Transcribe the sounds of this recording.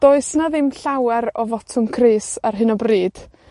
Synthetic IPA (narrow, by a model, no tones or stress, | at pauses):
d̥oːɨsnaðɪmɬawɛɾɔvɔtʰʊmkʰreːsarɦɨnɔbriːd̥